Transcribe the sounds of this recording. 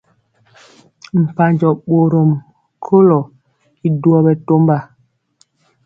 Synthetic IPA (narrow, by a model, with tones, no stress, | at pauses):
m̩˨pa˨ɲd͡ʒɔ˨ɓo˨ɾo˨m | kʰo˦lɔ˨ | i˨du˨˦ɔ˦ɓɛ˨to˦mba˨